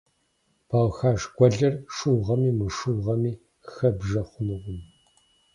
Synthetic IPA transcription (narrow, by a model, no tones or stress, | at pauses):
b̥ʰaːwxaːʂɡʷɔɮɐrʂuwʁɐmiːmɨʂuːʁɐmiː | xɐbʒɐχʷʊnɨʁʷʊm